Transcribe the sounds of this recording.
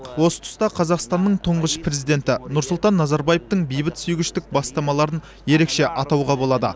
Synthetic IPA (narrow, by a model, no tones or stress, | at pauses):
wo̞sə̥t̪ʰʊ̥st̪ɑqʰɑzɑqst̪ɑnːəɴt̪ʰʊɴʁəʃpɾe̞zijd̪e̞nt̪ɪnʊɾsʊlˠt̪ɑnːɑzɑɾbɑjeft̪əɴbejbɪt̪sʏjɡʲɪʃt̪ɪk̚bɑst̪ɑmɑlˠɑɾən | je̞ɾe̞kʃe̞ʔɑt̪ɑwʁɑbo̞lˠɑd̪ə̰